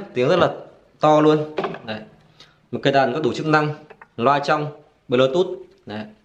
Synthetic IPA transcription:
t̪i˨˦əŋzə˦˥t̚laː˨˩ | t̪ɔ˧lu˧ənna˨˩j | m̚˨˩kːə˧˩ɗaː˨˩nkɔ˨˦ɗu˧˩t͡ɕɨ˦˥k̚na˧ŋlwaː˧jt͡ɕa˧wŋ͡m | ɓə˧˩loː˧˩t̪u˦˥t̚ | na˨˩

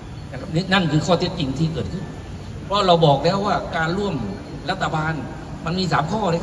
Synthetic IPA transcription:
a˧˩kʰa˦˧p̚ni˦˥na˧˥˩nkʰɯː˧kʰɔː˧˩t̪e˦˥t̚t͡ɕi˧ŋt̪ʰiː˧˩kɤː˨˩t̪̚kʰɯ˥˩n | pʰɔ˦a˧ɾa˧wbɔː˨˩k̚lɛː˦˥˩waː˥˩kaː˧nɾu˥˩əm | ɾa˦˥t̪ʰːa˧baː˧n | ma˧nmiː˧saː˩˦mkʰɔː˥˩ɾa˧

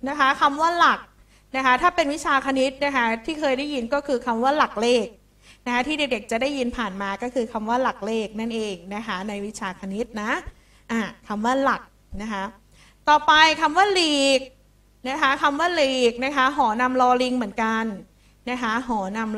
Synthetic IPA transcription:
na˦˥kʰa˦˥kʰa˧mwaː˥˩la˨˩k̚ | na˦˥kʰa˦˥t̪ʰaː˥˩pe˧nwi˦˥t͡ɕʰaː˧kʰa˧ni˦˥t̪̚na˦˥kʰa˦˥t̪ʰiː˥˩kʰɤː˧jda˥˩ji˧nkɔː˥˩kʰɯː˧kʰa˧mwaː˥˩la˨˩k̚leː˥˩k̚ | na˦˥kʰa˦˥t̪ʰiː˥de˨˩k̚de˨˩k̚t͡ɕa˨˩da˥˩ji˧npʰaː˨˩nmaː˧kɔː˥˩kʰɯː˧kʰa˧mwaː˥˩la˨˩k̚leː˥˩k̚na˥˩nʔeː˧ŋna˦˥kʰa˦˥na˧jwi˦˥t͡ɕʰaː˧kʰa˧ni˦˥t̪̚na˦˥ | ʔaː˧˩kʰa˧mwaː˥˩la˨˩k̚ | na˦˥kʰa˦˥ʔ | t̪ɔː˨˩pa˧jkʰa˧mwaː˥˩liː˨˩k̚ | na˦˥kʰa˦˥kʰa˧mwaː˥˩liː˨˩k̚na˦˥kʰa˦˥ɦɔː˩˦na˧mlɔː˧li˧ŋmɯ˩˦ənka˧n | na˦˥kʰa˦˥ɦɔː˩˦na˧m

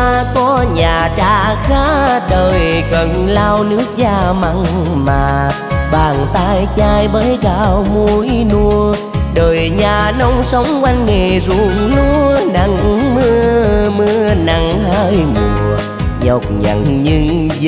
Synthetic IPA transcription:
kɔ˧˦ɲaː˨˩t͡ɕaː˧˩xaː˦˥ɗəː˨˩jkə˨˩nlaː˧wnɨ˧˥ək̚t͡ɕaː˧˩ma˧ŋmaː˨˩ | ɓaː˨˩ŋt̪aː˧jt͡ɕaː˧jɓəː˨˦jkaː˧˨˩wmu˧˩jnu˧ə | ɗəː˨˩jɲaː˨˩nə˨˧˦wŋ͡msə˨˦wŋ͡mkwa˧jŋŋe˨˩zu˨˩ŋnu˧˦əna˨˩ŋmɨ˧əmɨ˧əna˨˩ŋha˧jmu˨˩˨ | ɲɔ˨˩wk͡p̚ɲa̰˨˩ŋɲɨ˧ŋ

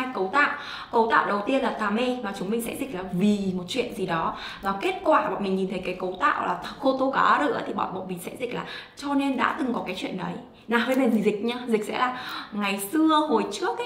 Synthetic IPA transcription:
jkə˨˦wt̪a̰ː˧˨wʔ | kə˨˦wt̪a̰ː˧˨wɗə˨˩wt̪i˧ənlaː˨˩t̪aː˨˩me˧vaː˨˩t͡ɕʊ˨˦ŋ͡mmï˨˩ŋ̟sɛ̰˧˥zi˨˩k̟̚laː˨˩vi˨˩mo˨˩t̚t͡ɕwḭ˧˨ənzi˨˩ɗɔ˨˦va˨˩ke˦˥t̚kwaː˧˩ɓɔ̰˧˨nmï˨˩ŋɲi˨˩t̪ə˨˦jkaː˨˦jkə˨˦wt̪a̰ː˧˨wlaː˨˩t̪ʰxo˧t̪o˧kaː˨˦ɗɨ̰˧ʔə˨˦t̪ʰi˨˩ɓɔ̰˧˨nɓɔ̰˧˨nmï˨˩ŋsɛ̰˧˥zï˨˩laː˨˩t͡ɕɔ˧ne˧nɗa̰ː˧˥t̪ɨ˨˩ŋkɔ˨˦kaː˨˦jt͡ɕwḭ˧˨ənɗə˨˦j | naː˨˩ɦəː˧jma˨˩nzi˨˩zï˨˩k̟̚ɲaː˧zï˨˩k̟̚sɛ̰˧˥laː˨˩ŋa˨˩jsɨ˧əho˨˩jt͡ɕɨ˦˥ək̚

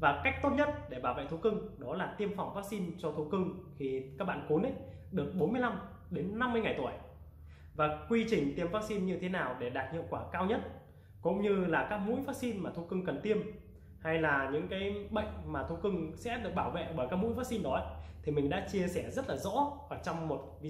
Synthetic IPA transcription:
vaː˨˩ka˦˥jk̚t̪o˦˥t̚ɲə˦˥t̚ɗe˧˩ɓaː˧˩wvḛ˧˨t̪ʰu˨˧˦kɨ˧ŋɗɔ˨˦laː˨˩t̪i˧əmfa˨˩wŋ͡mvaː˦˥k̚si˧nt͡ɕɔ˧t̪ʰu˨˦kɨ˧ŋxi˨˩kaː˦˥k̚ɓa̰ː˧˨ku˨˦nʔə˨˧˦j | ɗɨ˨˩ək̚ɓo˨˦nmɨ˧əjla˧m | ɗe˨˦nːa˧mː˧əjŋa˨˩jt̪u˧˩əj | vaː˨˩kwi˧t͡ɕï˨˩ŋ̟t̪i˧əmvaː˦˥k̚si˧nɲɨ˧t̪ʰe˨˦naː˨˩wɗe˧˩ɗaː˨˩t̚hḭ˧˨əwkwaː˧˩kaː˧wɲə˦˥t̚ | kʊ̰˧˥ŋ͡mɲɨ˧laː˨˩kaː˦˥k̚mṵ˧˥jvaː˦˥k̚si˧nmaː˨˩t̪ʰu˧kɨ˧ŋkə˨˩nt̪i˧əm | ha˧jlaː˨˩ɲɨ̰˧˥ŋkaː˨˦jɓə̰˧˨jŋ̟maː˨˩t̪ʰu˧kɨ˧ŋsɛ̰˧˥ɗɨ˨˩ək̚ɓaː˧˩wvḛ˧˨ɓəː˧˩jkaː˦˥k̚mṵ˧˥jvaː˦˥k̚si˧nɗɔ˨˦ʔə˦jt̪ʰi˨˩mï˨˩ŋ̟ɗa̰ː˧˥t͡ɕi˧əsɛ˧˩zə˦˥t̚laː˨˩zɔ̰˧˥ʔəː˧˩t͡ɕɔ˧wŋ͡mmo˨˩t̚vi˧

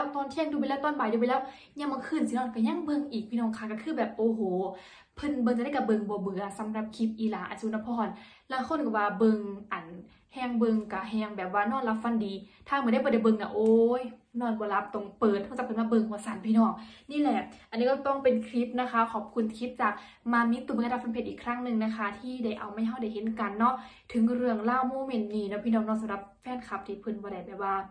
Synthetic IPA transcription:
t̪ɔː˧˨nt̪ʰi˧˥ə˨ŋdu˧pa˧˨lɛː˧˩˨t̪ɔː˧˨nbaː˨˩jduː˧pa˧˨lɛː˧˥˨w | ɲa˧˩ŋbɔː˧˦kʰɯː˧˨nsi˧nɔː˧˨nka˧˩ɲa˧˥˨ŋbɤ˧ŋʔiː˨˩k̚pʰiː˧˨ɔː˧˩˨kʰa˧˩ka˧˩kʰɯː˧˥˨bɛː˨˩p̚ʔoː˧˩ɦoː˨˦ | pʰɤ˧˨nbɤ˧ŋt͡ɕa˧ɾa˥˨˩ka˧˩bɤ˧ŋbɔː˧˦bɯ˨˦ɐsa˨˦mɾa˧p̚kʰi˧˦p̚ʔiː˧˦laː˨˦ʔa̰˨˩nsuː˧˨na˧˥pʰɔː˧˩˨n | laː˧˩kʰo˧˥˨nka˧˩waː˧bɤ˧ŋʔa˨˩n | hɛː˧ŋbɤ˧ŋka˧˩ɦɛː˧ŋbɛː˨˩p̚waː˧nɔː˧˥˨nla˧p̚fa˧˨ndiː˨˦t̪ʰaː˧˨m˨˧˦da˥˩˨bɔ˧˦da˧˩jbɤ˧˨ŋna̰˧ʔoː˧jnɔː˧˩˨nbɔː˧˦la˧˥p̚t̪ɔ˧˩ŋpɤː˨˩t̪̚hʰːɔ˧˩t͡ɕa˧˩pa˨nmaː˧˨bɤ˧ŋbɔː˧sa˨˦npʰiː˧˨nɔː˧˩ŋniː˧˥˨lɛ˧˩ʔʔa˨nːiː˧kɔ˧˩t̪ɔ˧˩ŋpe˨nkʰɾi˦˥p̚na˧˥kʰa˦˥kʰɔː˧˩p̚kʰu˧˨nkʰi˧˦˥t̪̚t͡ɕaː˨˩k̚ | maː˧mi˧˥˦t̪ːu˧˩m˨˧˨a˧˩fa˧npe˧˩ʔiː˨˩kʰɾa˧˥˩ŋnɯ˧˨ŋna˧kʰa˧˥t̪ʰiː˧˥˨da˧˩jʔa̰˨wmaː˧˥˨jɦa˧˩wda˧˩jɦe˨˧˦nka˨nːɔ˧˥˨ | t̪ʰɯ˨˦ŋɾɯ˧˩əŋlaː˧˥˨wmoː˧˨me˧˩˨nt̪niː˧˨nɔ˧˥pʰiː˧nɔː˧˩ŋnɔ˧˥˨sa˨˧˦mla˧˦p̚fɛː˧˥˨nkʰa˧˥p̚t̪ʰiː˧˩pʰɯ˧˨nbɔː˧ɾa˧˩jbɛː˨˩waː˧˩

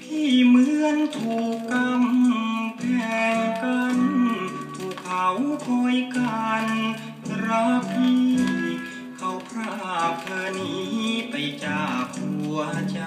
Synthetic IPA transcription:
p̪ʰiː˧˩mɯ˧˥˩ənt̪ʰuː˨˩kːa˧mpʰɛː˨˧˩ŋka˧n | p̪ʰuː˧˩kʰːa˧wpʰɔ˧˥jkaː˧n | ɾa˧˦˥pʰi˧ | kʰa˧˥wpʰɾa˧˩˧pʰɤː˧niː˨˦˥pa˧jt͡ɕaː˨˩k̚u˧˩a˧t͡ɕa˧

